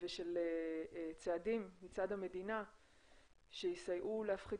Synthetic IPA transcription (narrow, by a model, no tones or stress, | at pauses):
veʃelet͡seadimːit͡sadhame̞dina | ʃeisajʔuleafχi